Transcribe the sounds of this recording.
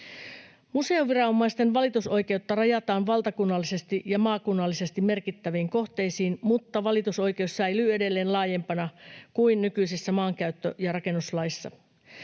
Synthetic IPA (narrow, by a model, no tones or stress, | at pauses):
muse̞oʋirɑomːɑist̪e̞nʋɑlit̪uso̞jke̞ut̪ːɑrɑjɑt̪ɑːnʋɑlt̪ɑkunːɑlːise̞st̪iʔjɑmɑːkunːɑlːise̞st̪imme̞rkit̪ːæʋiːŋko̞ht̪e̞jsiːnmut̪ːɑʋɑlit̪uso̞jk̟eusːejlye̞de̞lːe̞ːnlɑːje̞mpɑnɑkuinːykyisisːæmɑːŋkæyt̪ːø̰jɑrɑke̞nːuslɑisːɑ̰